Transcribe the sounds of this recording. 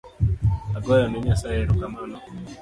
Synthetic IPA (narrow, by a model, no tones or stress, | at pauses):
aɡɔjamɛɲasajɛɾukamanɔ